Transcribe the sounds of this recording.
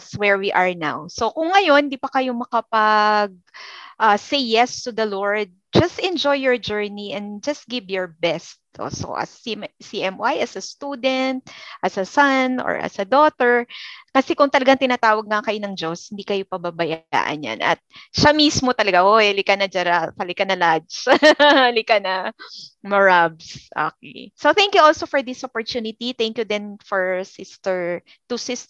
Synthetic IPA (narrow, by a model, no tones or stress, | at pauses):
swɛɹwiʔɐɹna̰wsokʊŋːɐjo̞nd̪iːpɐkɐjomɐkɐpɐɡ̚ʔɐsejːɛst̪ud̪ɐloɹd̪̚d͡ʒɐst̪ɛ̃nd͡ʒojːɔɹd͡ʒɛɹniʔɛ̃nd̪d͡ʒɐst̪̚ɡɪvjɔɹbɛst̪̚ʔo̰so̰ʔɐ̰ssiʔɛmwajʔɐsɐst̪ud̪ɛnt̪̚ʔɐsɐsɐno̰ɹɐ̰sɐd̪oːt̪ɛɹkɐsɛkʊŋt̪ɐlɐɡaŋt̪ɪnaːt̪aːwɐɡ̚ŋɐkɐjonɐŋd͡ʒoshɪnd̪ikɐjopɐbabɐja̰ːʔɐ̰nja̰nɐ̰t̪̚ʃamismot̪ɐlɐɡaʔoɛlɪkɐnɐd͡ʒɐɾatɐlɪkɐnɐlad͡ʒ | lɪkanɐmɐɹabsʔo̰kɛ̰jsoθɛŋkjuʔolsofɔɹd̪ɪsʔopɔɹt̪uːnɪt̪it̪ɛŋkjʊd̪ɛnfɔɹsɪst̪ɛɹ | t̪ʊsɪs